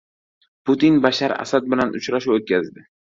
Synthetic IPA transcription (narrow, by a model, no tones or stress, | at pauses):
pʊt̪inbaʃaɾa̰sad̪̚bɪlanʊ̰t͡ʃɾaʃuwot̪̚kʲʰazd̪ɪ